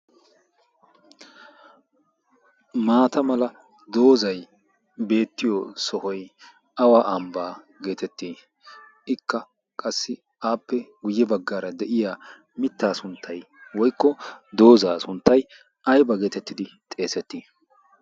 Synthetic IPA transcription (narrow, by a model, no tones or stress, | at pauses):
maːt̪ɐmɐlɐ | d̪o̞ːzɐj | be̞ːt̪ːɪjɔsɔhɔj | ɐwaːʔɐmbaː | ɡe̞ːt̪ɛt̪ːiː | ɪkːɐ | kʼɐsːɪ | aːpːɛɡʊjːɛbɐɡːaːɾɐd̪ɛʔɪjaː | mɪt̪ːaːsʊnt̪ʰːɐj | wɔjkːɔd̪o̞ːzaːsʊnt̪ːɐj | ʔɐjbɐɡe̞ːt̪ɛt̪ːɪd̪ɪt̪ʼe̞ːsɛt̪ːiː